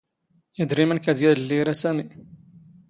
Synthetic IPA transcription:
jəd̪ɾimənkæd̪jæðəlːiɾæsæmi

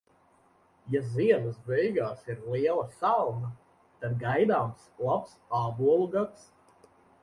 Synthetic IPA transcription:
jaziɛnəsbɛjɡaːsiɾliɛlˠasalˠna | t̪ad̪̚ɡajd̪aːmslˠapsaːbuɔlˠuɡat̪s

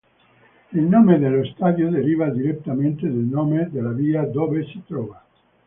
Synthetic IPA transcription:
ilnomed̪elːost̪aːd̪jod̪eɾiːvad̪iɾet̪ːament̪ed̪elnoːmed̪elaviːad̪ovesi̥t̪ɾɔːva

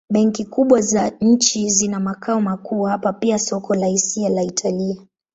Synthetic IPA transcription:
ɓɛŋkikuɓwazaɲ̩t͡ʃizinamakaɔmakʰuːhapapiasɔkʰɔlahisialaitʰalia

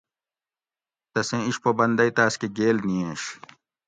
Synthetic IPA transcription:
t̪ɐsẽiɕpobɐnd̪ɐjt̪aːskeɡeːlniẽɕ

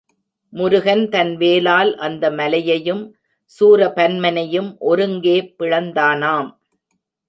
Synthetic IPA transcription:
mʊɾʊɣɐnt̪ɐnʋeːlaːlʔɐnd̪ɐmɐlɐjɐjɯm | suːɾɐpɐnmɐnɐjɯmʔɔɾɯŋɡeːpːɪɻɐnd̪aːnaːm

